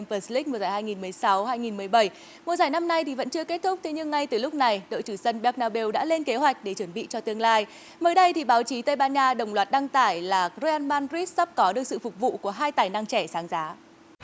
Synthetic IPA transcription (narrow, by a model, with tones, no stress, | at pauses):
mvə˧˦sli˦˥m̚˨˩zaː˧˩jhaː˧jŋi˨˩nmɨ˨˩əjsa˨˦whaː˧jŋi˨˩nmɨ˨˩əjɓə˧˩j | mu˨˩zaː˧˩jna˧mna˧jt̪ʰi˨˩və̰˧˥nt͡ɕɨ˧əke˦˥t̚t̪ʰʊ˦˥k͡p̚t̪ʰe˨˦ɲɨ˧ŋːa˧jt̪ɨ˨˩lʊ˦˥k͡p̚na˨˩jɗo̰˧˨jt͡ɕɨ˧˩zə˧nɓɛ˦˥k̚naː˧ɓe˧wɗa̰ː˧˥le˧nke˨˦ɦwa˨˩jk̟̚ɗe˧˩t͡ɕə˧˩nɓḭ˧˨t͡ɕɔ˧t̪ɨ˧əŋlaː˧j | məː˨˦jɗə˧jt̪ʰi˨˩ɓaː˨˦wt͡ɕi˨˦t̪ə˧jɓaː˧nɲaː˧ɗə˨˩wŋ͡mlwaː˨˩t̚ɗa˧ŋt̪aː˧˩jlaː˨˩zo˧ʔaː˧nmaː˧nzi˦˥t̚sa˦˥p̚kɔ˨˦ɗɨ˨˩ək̚sɨ̰˧˨fʊ˨˩k͡p̚vṵ˧˨ku˧˩əɦaː˧jt̪aː˨˩jna˧ŋt͡ɕɛ˧˩saː˨˦ŋzaː˨˦